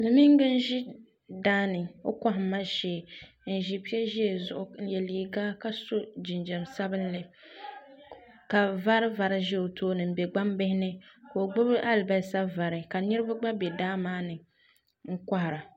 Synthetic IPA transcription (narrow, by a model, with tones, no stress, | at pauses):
bɨ˨mi˦ŋ˦ɡɨ˦n̩˦ʒi˦ | daː˦nɨ˨o̰˦ka˦ɦma˦ʃɛ˦˨ | n̩˨ʒi˨pi˦ɛ˦ʒi˦e˨zʊ˨ʔʊ˨n̩˦jɛ˨liː˨ɡaː˦ka˨so˦d͡ʒi˨nd͡ʒɛ˨msa˦bɨ˦n˦lɨ˦ | ka˨va˦ɾɨ˦va˨ɾɪ˦ʒɛ˦o˨tʰoː˦nɨ˨m̩˨bɛ˨ɡ͡ba˦mbɪ˦hɪ˦nɨ˦ko˨o˨ɡ͡bʊ˦bɨ˦ʔa˦lba˨sa˦va˨ɾɪ˨ka˨nɨ˦ɾɨ˦ba˦ɡ͡ba˦bɛ˨daː˦maː˦nɨ˨ | ŋ̩˦ka˦hɪ˨ɾa˨